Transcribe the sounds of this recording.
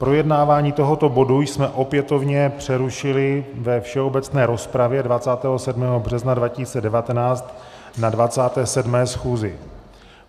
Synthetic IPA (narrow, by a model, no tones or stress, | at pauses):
pɾo̞jɛdnaːvaːɲiːt̪o̞ɦot̪o̞bo̞dujsmɛʔo̞pjɛt̪o̞vɲɛpr̥ɛɾuʃɪlɪvɛfʃɛo̞bɛt͡snɛːɾo̞spɾavjɛdvat͡saːt̪ɛːɦo̞sɛdmɛːɦo̞br̝ɛznadvacisit͡sɛdɛvat̪ɛnaːt͡st̪ | nadvat͡saːt̪ɛːsɛdmɛːsxuːzɪ